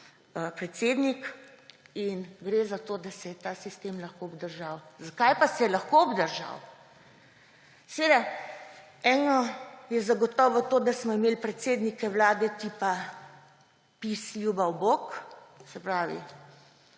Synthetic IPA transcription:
pɾɛt̪seːd̪nik | inɡɾeːzat̪oːd̪asɛjɛt̪aːsist̪eːmlaxkoɔbd̪əɾʒaːwzakajpasɛjɛlaxkoɔbd̪əɾʒa̰w | sɛʋeːd̪a | ɛːnɔjɛzaɡɔt̪ɔːʋɔt̪oːd̪asmɔimeːlpɾɛt̪seːd̪nikɛwlaːd̪ɛt̪iːpa | pisjubawbok | sɛpɾaːʋḭ

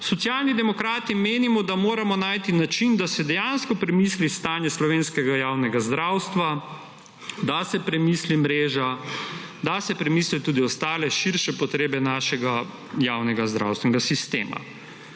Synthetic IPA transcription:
sɔt̪sjaːlnid̪ɛmɔkɾaːt̪imeːnimɔd̪amoːɾamɔnaːjt̪inat͡ʃind̪asɛd̪ɛjanskɔpɾɛmislist̪aːnjɛslɔʋeːnskɛɡajaːwnɛɡazd̪ɾawst̪ʋa | d̪asɛpɾɛmislimɾeːʒa | d̪asɛpɾɛmiːslit̪uːd̪iɔst̪aːlɛʃiɾʃɛpɔt̪ɾeːbɛnaːʃɛɡa | jaːwnɛɡazd̪ɾa̰wst̪ʋɛnɛɡasist̪ḛːma̰

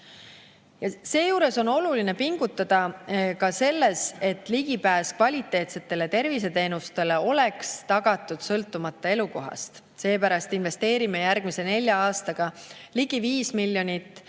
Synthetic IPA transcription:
jɑse̞ːjuːɾe̞so̞no̞luline̞piŋɡ̥ut̪ːˑɑd̪̥ɑkɑse̞lːe̞se̞t̪ːˑliɡipæːskvɑlʲit̪ːˑe̞ːt̪se̞t̪ˑːe̞le̞t̪e̞rvis̬e̞t̪e̞ːnust̪e̞le̞o̞le̞kst̪ɑɡ̥ɑt̪ːˑud̪̥sɤlt̪ːˑumɑt̪ˑːɑe̞luko̞ɦɑ̰st̪ | se̞ːpæɾɑst̪inve̞st̪e̞ːɾime̞jærɡ̥mise̞ne̞lʲjɑɑːst̪ɑɡ̥ɑliɡiviːsmilʲːjo̞nʲit̪ːˑ

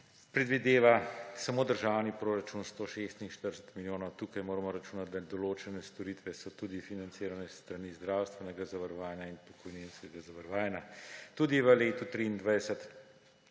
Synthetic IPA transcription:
pɾɛd̪ʋid̪eːʋasamoːd̪əɾʒawnipɾoːɾat͡ʃunst̪oːʃest̪inʃt̪əɾsət̪miljoːnɔwt̪uːkajmoːɾamɔɾat͡ʃuːnat̪̚d̪ad̪ɔloːt͡ʃɛnɛst̪ɔɾit̪ʋɛsɔt̪uːd̪ifinant̪seːɾanɛst̪ɾaniːzd̪ɾawst̪ʋɛnɛɡazaʋəɾɔʋaːjnjainpɔkɔjninskɛɡazaʋəɾɔʋaːjnʲat̪uːd̪iʋəleːt̪ut̪ɾiːnd̪ʋajsət̪

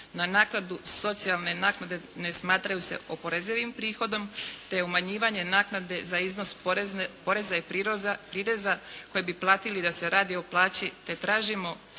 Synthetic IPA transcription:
nanaːknad̪uso̞t̪sialˠne̞naːknad̪e̞nesmaːt̪ɾajuse̞̰ʔopoɾe̞zeʋimpɾiːxo̞d̪o̞mt̪eumaɲiːʋaɲe̞naːknad̪e̞zaizno̞spo̞ɾe̞zaipiɾapɾiɾe̞zako̞jebiplˠaːt̪ilid̪ase̞ɾaːd̪io̞plˠaːt͡ɕit̪e̞t̪ɾaːʒimo̞

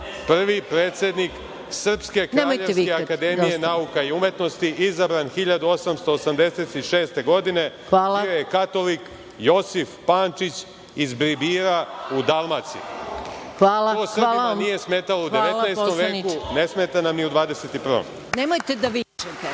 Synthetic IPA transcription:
pr̩ʋipɾe̞ːt̪sʲje̞d̪nik | sr̩pske̞knɾaːmojʎesikeakad̪e̞mijenaukaiume̞t̪no̞st̪iʔizabɾanxiʎad̪uo̞samst̪o̞ːsamd̪e̞se̞t̪iʃe̞ːst̪e̞ɡo̞d̪ine̞ | ʋaːlˠaojekat̪o̞lik | jo̞sifpaːnt͡ʃit͡ɕ | izbɾibiːɾaud̪alˠmat̪sḭ | xʋaːlaosr̩aamnije̞smeːt̪aloud̪eʋelnajst̪omʋeːkune̞smeːt̪anamniud̪ʋaːd̪eset̪ipr̩ʋo̰m | nemojt̪ed̪aʋit͡ʃet̪e

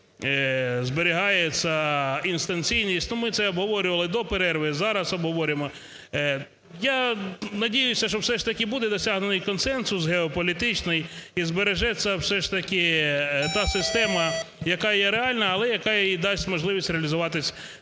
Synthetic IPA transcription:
zbeɾʲɪɦɑjet͡sʲːɐinst̪ɐnʲt͡sʲijnʲisʲtʲnumɪt̪sɛɔbɦɔʋɔɾʲʊʋɐlˠɪd̪ɔpeɾɛrʋɪzɑɾɐsɔbɦɔʋɔɾʲʊjemɔ | janɐdʲijʊsʲɐʃt͡ʃɔwsɛʂt̪ɐkʲɪbud̪ɛd̪ɔsʲaɦnenɪjkɔnsɛnsʊsɦeɔpɔlʲit̪ɪt͡ʃnɪjizbeɾeʒɛt͡sʲːɐwsɛʂt̪ɐkʲɪt̪ɑsɪst̪ɛmɐjɐkɑjɛɾeɑlʲnɐːlˠɛjɐkɑjid̪ɑsʲtʲmɔʒlˠɪʋʲisʲɾʲeɐlʲizʊʋɑt̪ɪsʲ

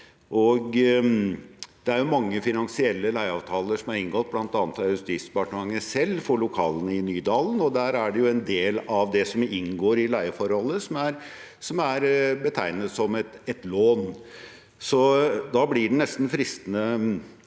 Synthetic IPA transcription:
ʔɔɡ | d̪̥ɛæɾjʊmɑŋːəfɪnɑnsɪɛlːəlæɪɑːʋt̪ʰɑːləʂɔmæɾɪŋɡɔt̪̚blɑnt̪ɑːnət̪ɑjʉst̪iːspɑʈnmɑŋːəsɛlːfɔɭʊkʰɑːlənəɪnyːd̪ɑːlənɔd̪æːɾæɖɛjʊɛnd̪eːlɑʋd̪ɛsɔmɪnɡoːɾɪlæɪəfɔɾhɔlːəsɔmæɾ | sɔmæɾbət̪ʰæɪnət̪sɔmɛt̪ɛt̪loːn | sɔd̪ɑːblɪɖɛnɛst̪nfɾɪst̪ənə

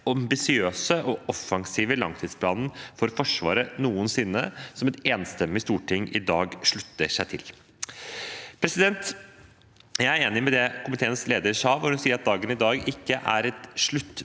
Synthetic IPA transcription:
ɑmbɪsɪøːsəʔɔʔɔfːɑŋsiːʋəlɑŋt̪ʰiːd̪spʰlɑːnən̩fɔɾfɔʂʋɑ̰ːɾənuːənsɪnːəsɔmɛt̪eːnst̪ɛmːɪst̪uːʈɪŋːʔɪ̰d̪ɑːɡʂɭʉt̪ːəʂæɪt̪ʰɪl | pʰɾɛsɪd̪ɛnt̪ | jæɪæɾeːnɪmɛd̪ɛkʰʊmɪt̪ʰeːənsleːd̪əɾʂɑːʋɔɾhʉnsiːəɾɑt̪̚d̪ɑːɡənɪd̪ɑːɡɪkːəʔæɾɛt̪ʂɭʉt̪ː

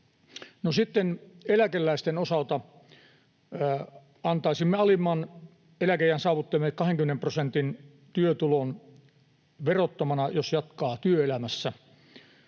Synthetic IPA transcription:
nosit̪ːenelækelːæist̪enosɑlt̪ɑ | ɑnt̪ɑisimːeɑlimːˑɑːn | elækejænsɑːʋut̪ːelmekɑheŋkymenemprosent̪in | t̪yøt̪ulon | ʋerot̪ːɑmɑnɑjosjɑt̪kɑːt̪yøelæmæsːæ

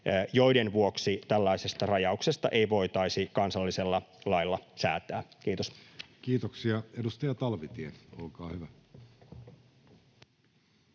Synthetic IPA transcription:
jo̞jdenʋuo̞ksit̪ælːɑise̞st̪ɑrɑjɑukse̞st̪ɑ̰ʔe̞jʋo̞it̪ɑisikɑnsɑlːise̞lːɑlɑjlːɑsæ̰ːt̪æːkiːt̪oskiːt̪oksiɑedust̪ɑjɑt̪ɑlʋit̪ieolkɑːhyʋæ

